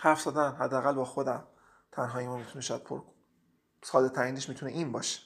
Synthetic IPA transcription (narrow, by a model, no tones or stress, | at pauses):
hæɾfzɒːd̪æmɦæd̪ːeæɣælbɒːxod̪æm | t̪ʰænɦɒːjemuːnmiːt̪ʰuneʃæd̪̚pʰoɾ | sɒːd̪et̪ʰæɾiːneʃmiːt̪uneʔinbɒːʃe̥